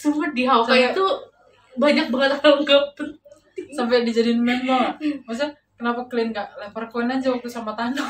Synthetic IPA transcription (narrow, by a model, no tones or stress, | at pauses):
sumət̪̚ɡiɦawkajat̪u | baɲak̚baŋət̪haɡapənt̪isampɛadid͡ʒadinmɛnlamas̬a | kənapakəliənɡaʔlahpərkoɛnad͡ʒawak̚t̪usamat̪ana